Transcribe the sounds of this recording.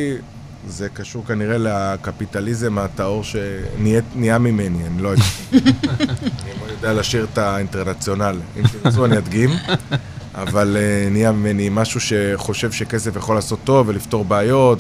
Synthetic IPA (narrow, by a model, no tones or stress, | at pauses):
ze̞kaʃuʁkaniʁe̞leakapit̪alize̞mat̪ao̞ʁʃe̞nieniamime̞nianilojaa | aniamonjod̪ealaʃiʁt̪ainteʁnat͡sjo̞nalḭmtizuaniad̪ɡim | a̰valeniamime̞nimaʃuʃe̞χo̞ʃe̞vʃe̞ke̞sefjaχo̞laːso̞t̪ːo̞velift̪o̞ʁbeajo̞t